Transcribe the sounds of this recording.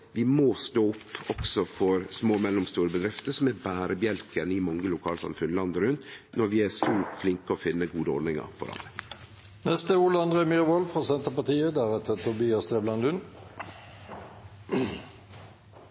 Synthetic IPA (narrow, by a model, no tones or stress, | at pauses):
ʋɪmoːst̪oːʊpːɔksɔfɔɾsmoːmɛlːʊmst̪uːɾəbəd̪ɾɪft̪əsɔmæbæːɾəbjɛlkənɪmɑŋəlʊkʰɑːlsɑ̰mfʉnlɑnd̪əɾʉnnɔɾʋɪæsoːflɪŋkəɔfɪnːəɡuːd̪əɔ̰ɾd̪nɪŋə̰ɾfɔ̰ɾɑ̰nə | nɛst̪əuːlɑnd̪ʁɛmyʁəʋɔlfʁɑːsɛnt̪əpɑt̪iːəd̪æɾɛt̪ət̪ʰʊbiːɑst̪eːblɑnlʉn